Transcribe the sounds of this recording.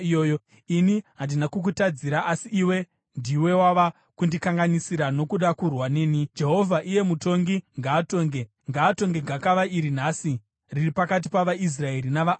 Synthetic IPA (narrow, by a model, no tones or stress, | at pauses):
joːjo | iniɦandinakuk̬utad͡ziɾaʔasiiwe̞ | ndiwe̞waʋa | kundikaŋɡanisiɾano̞kuɗakurwaneːnid͡ʒe̞ɦo̞vʱaʔije̞muto̞ŋɡiŋɡaːto̞ːŋɡe̞ | ŋɡaːto̞ŋɡe̞ɡʱakaʋaiɾinaːsi | riripakat̬i̥paʋais̬rae̞ɾinaʋa